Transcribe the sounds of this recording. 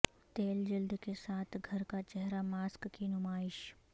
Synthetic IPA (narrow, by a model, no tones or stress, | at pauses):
t̪eːld͡ʒɐld̪kesaːt̪ʰɡʱɐɾkat͡ʃɛɦɾamaːskkinʊmaːɪʃ